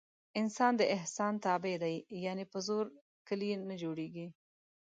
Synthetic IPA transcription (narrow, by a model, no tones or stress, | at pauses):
ɪnsɑnd̪əʔɪhsɑnt̪ɑbed̪ajjɑnepəzoɾ | kəlinəd͡ʒoɽeɡi